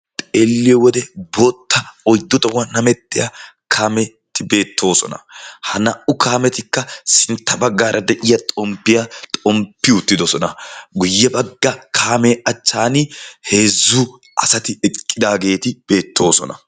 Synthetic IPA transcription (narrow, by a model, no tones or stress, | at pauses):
t̪ʼeːlːɪjɔwɔd̪ɛboːt̪ːɐɔjd̪ːʊt̪ʼɔwanɐmɛt̪ːɪjɐkʰaːmɛ | t̪ːɪbe̞ːt̪ʰːo̞ːsɔnɐ̰hɐnɐʔʊkʰaːmɛt̪ɪkːɐsɪnt̪ːɐbɐɡːaːɾʔɐd̪ɛʔɪjɐt̪ʼɔmpːɪjɐt̪ʼɔmpːɪʊt̪ːɪd̪ɔsɔnɐɡʊjːɛbɐɡːɐkʰaːmɛʔɐt͡ʃːaːnɪhe̞ːzːʊ | ʔɐsɐt̪ɪɛkʼːɪd̪aːɡe̞ːt̪ɪb̥e̞ːt̪ːo̞ːsɔ̰nɐ̰